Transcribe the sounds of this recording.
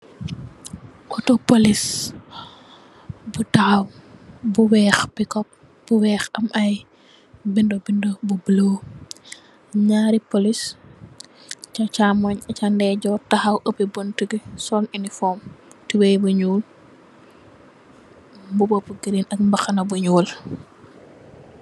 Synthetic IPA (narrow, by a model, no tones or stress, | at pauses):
ʔɔtopolis | butawbuwɛːxbikɔp̚ | b̥uwɛːxɐmʔɐj | bindobindobubloː | ɲaːɾipolis | t͡ʃat͡ʃamɔɲɐt͡ʃandɛɟɔtɐhɐwʔɐpibontuɡisɔːninifɔːmtiwɛjbuɲuːl | mbubɔpuɡiɾinɐkmbɐxɐnɐbuɲuːl